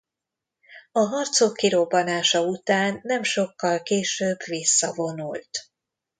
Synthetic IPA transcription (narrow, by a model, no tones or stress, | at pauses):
ɒɦɒrt̪soːkːiɾo̞bːɒnaːʃɒut̪aːnːɛmʃo̞kːɒlkeːʃøːbʋisːɒvo̞nult̪